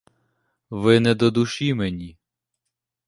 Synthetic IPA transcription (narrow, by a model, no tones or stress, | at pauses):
ʋɪnɛd̪ɔd̪uʃimenʲi